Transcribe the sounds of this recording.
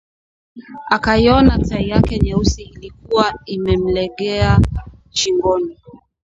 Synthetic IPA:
akaiɔnataijakɛɲɛusiːlik̚uwaimɛm̩lɛɠɛa | t͡ʃiŋɡɔni

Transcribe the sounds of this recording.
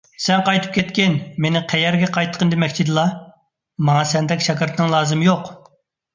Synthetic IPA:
sɛnqɑjt̪ʰɨ̥p̚kʲʰɛt̪kʲɪnmenɪqʰɛjɛɾɡʲɛqʰɑjt̪ʰə̥qʰənd̪ɪmɛkʲt͡ʃʰid̪ɨlˠɑ | mɑŋɑsɛnd̪ɛkʲʃɛkɪɾt̪ʰɨnɨŋlˠɑːzɨmɨjoq

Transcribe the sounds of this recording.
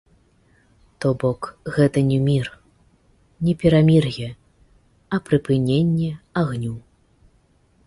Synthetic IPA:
t̪ɔbɔkɣɛt̪ɐnʲɛmʲir | nʲɛpʲɛɾamʲirjʲɛ | ɐpɾɨpɨnʲenʲːɛaɣnʲu

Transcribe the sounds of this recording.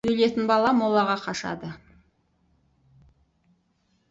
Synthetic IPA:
ɵjle̞t̪ɪnbɑlˠɑmolˠɑʁɑqʰɑʃɑ̰d̪ə

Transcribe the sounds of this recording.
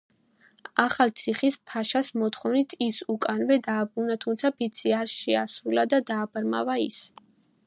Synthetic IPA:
aχalt̪sʰiχispʰaʃasmɔt̪χɔvnit̪ʰisukʼanvɛd̪aːbunat̪ʰumt̪sʰapʰit̪sʰiaɾʃɛasɾulad̪ad̪aːbɾma̰vaḭs

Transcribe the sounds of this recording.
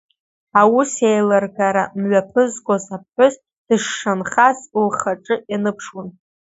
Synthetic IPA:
awusejlɨrɡaɾamɥapʰɨzkʷʼozap̚ʰħʷʊs | d̥ɨʂːanχazlχaʈ͡ʂʼɨjanɨpʰʂwan

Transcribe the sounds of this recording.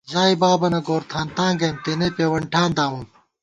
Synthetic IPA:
ʑaːibaːbɐnɐɡoːɾt̪ʰaːnt̪ãːŋɡɐmt̪enepeːwɐɳʈʰaːnd̪aːwum

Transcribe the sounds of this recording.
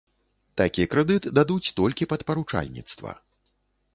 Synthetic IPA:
t̪akʲiɛkɾɛd̪ɨt̪ɨd̪ad̪ut͡sʲt̪ɔlʲkʲipɐt̪pɐɾut͡ʂa̰lʲnʲḭt̪st̪vɐ̰

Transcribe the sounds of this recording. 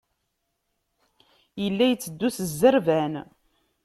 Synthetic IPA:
jəlːæjət͡sːəd̪ːuθəzːəɾvæn

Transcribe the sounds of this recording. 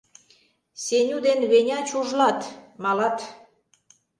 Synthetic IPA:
senʲud̪enβenʲɑt͡ɕuʒlɑt̪mɑlɑt̪

